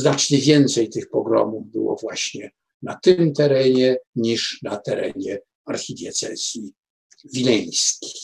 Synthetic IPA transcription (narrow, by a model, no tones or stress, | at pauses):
znat͡ʂɲɛvʲjɛnt̪sɛjt̪ɘxpɔɡɾɔ̰muvbɘ̰wɔ̰vwaɕɲɛ | nat̪ɪmt̪ɛɾɛɲɛɲiʂnat̪ɛɾɛ̰ɲɛ | aɾxʲid̪ʲjɛt̪sɛz̥ʲji | vʲilɛ̃j̃skʲi̥j